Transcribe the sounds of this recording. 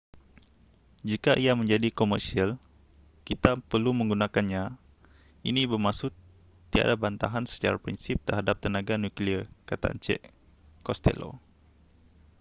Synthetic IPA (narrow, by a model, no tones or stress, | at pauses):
d͡ʒikaʔiamə̃ɲd͡ʒadikomərsial | kit̪apərlumə̃ŋɡunãkanɲã | inĩbərmasʊt̪ː | ia̰dabant̪a̰ɦansə̥t͡ʃa̰ɾapɾinsip̚t̪ərɦadap̚t̪ənãɡanukliərkat̪a̰ʔa̰nt͡ʃɛ̰ʔ | kɔst̪ɛ̰lo̰